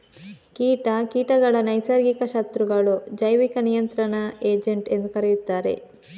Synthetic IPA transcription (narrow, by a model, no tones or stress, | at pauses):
kiːʈɐkiːʈɐɡɐɭɐnɐjsɐɾɡikɐʃɐt̪ɾuɡɐɭud͡ʒɐjʋikɐnijɐnt̪ɾɐɳɐeːd͡ʒeɳʈe̞nd̪ukɐɾejut̪ːaːɾe̞̰